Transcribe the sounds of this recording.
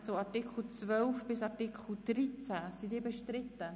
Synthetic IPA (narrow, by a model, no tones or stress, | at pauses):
soɑtɪkχl̩t͡svœlfb̥ɪsɑtikχl̩d̥ɾit͡sæsidiːbɛʃtɾɪtə